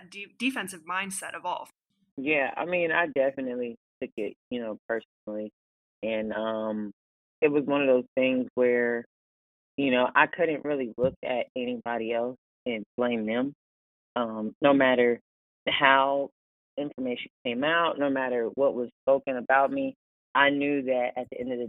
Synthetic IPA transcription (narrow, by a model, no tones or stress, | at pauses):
did̥ɨfɛ̃nsɨvmãɪ̃nd̥sɛɾʌvɔ̰lˠ | jæa̰ɪmĩna̰ɪdɛfɨnɨtˡlitʰʊkɪt̚jɨnoʊpʰɜ˞sn̩l̩ˠi | ɨ̃nʌ̃m | ɨt̚wʌzwʌ̃ñʌvðoʊz̥θɪ̃ŋzwə˞ | jɨnoʊʔa̰ɪkʰʊdⁿn̩ʔɹɪlˠilʊkʰɨɾɛñibɑɾiɛlˠs | ɨ̃nb̥lẽɪ̃mɨ̃m | ʌ̃mnoʊmæɾə˞ | haʊ | ɪ̃ɱfə˞meɪʃɨ̃n̩kʰẽɪ̃maʊtⁿnoʊmæɾə˞wʌʔ̚wʌz̥spoʊkɨ̃ŋɨbaʊt̚mi | ʔaɪnjʉðɨɾʔɨt̪̚ðiʔɛ̃ndʌvðɨ